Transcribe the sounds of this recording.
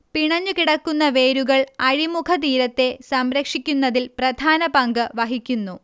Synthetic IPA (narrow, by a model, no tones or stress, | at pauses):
piɳɐɲːukiɽɐkːunːɐʋe̞ːɾuɣɐɭɐɻimukʰɐt̪̬iːɾɐt̪ːe̞sɐmɾɐkʂikʲːunːɐðilprɐd̪ʱaːnɐpɐŋɡɨʋɐɦikʲːunːu